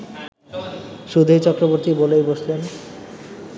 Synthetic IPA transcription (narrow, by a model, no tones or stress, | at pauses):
ʃud̪ʱet͡ɕɔkɾoboɾt̪ibolejboʃlen